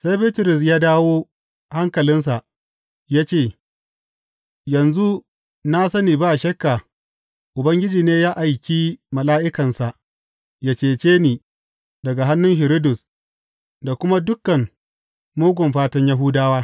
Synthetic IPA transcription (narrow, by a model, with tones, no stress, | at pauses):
sa˦jbiː˦tʊ˨ɾʊ˨s̬jaː˦daː˦woː˦ | ha˦ŋkɐ˨lɪ˦ns̬a˨ʔ | jaː˦t͡ʃeː˦˨ | jɐ˨nzu˦ | na˦sɐ˦niː˨baː˦˨ʃɐ˦kːa˨ | ʔʊ˨bɐ˦ŋɡʲɪ˦d͡ʒiː˨neː˦jaː˦ʔa˨jkʲi˦mɐ˨laː˦ʔɪ˦kɐ˨nsa˨ʔ | ja˨t͡ʃeː˨t͡ʃeː˦niː˨ | dɐ˨ɡa˨ɦa˦nːʊ˦ŋhɪ˨ɾɪ˦dʊ˨s | da˨kʷʊ˦ma˦dʊ˦kːɐ˨m | moː˦ɡʷʊ˨mɸaː˦tɐ˦ɲja˦ɦʊ˦daː˦waː˦